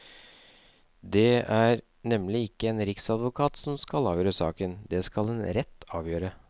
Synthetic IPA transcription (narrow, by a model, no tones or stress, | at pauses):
d̪ɛæɾ | nɛmːlɪɪkːəeːnɾɪksɑd̪ʋʊkʰɑːt̪sɔmskɑlɑːʋjøːɾəsɑ̰ːkənd̪ɛskɑlɛnɾɛt̪ːɑːʋjøːɾə